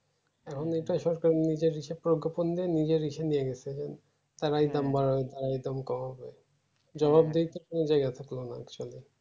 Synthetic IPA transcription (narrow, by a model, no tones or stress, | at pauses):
ɛkʰoneʈaʃɔɾkaɾenid͡ʑeɾːiʃepɾoɡʱːopond̪ienid͡ʑeɾːiʃenijeɡɛt͡ɕʰed͡ʑen | t̪aɾajd̪ambaɾɔet̪aɾajd̪amkɔmɦɔbe | d͡ʑɔbab̚d̪ejt̪ekoned͡ʑajɡat̪ʰaklonaa̰kt͡ɕoale